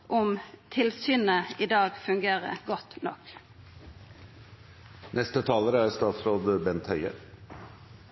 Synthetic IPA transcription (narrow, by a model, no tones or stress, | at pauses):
ʔɔmt̪ʰɪlsyːnəid̪ɑːɡfʉŋɡeːʁə̰ɡɔt̪nɔ̰k | nʔɛst̪ət̪ʰɑːləɾəæɾst̪ɑːt̪sɾoːd̪əbɛnt̪hœʏə̰